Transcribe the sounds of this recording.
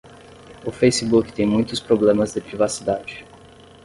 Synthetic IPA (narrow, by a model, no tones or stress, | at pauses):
ʊfejsibukɪ̥t̪ẽj̃mũj̃t̪ʊspɾoblẽmɐzd̪ɪpɾivasid̪ad͡ʒɪ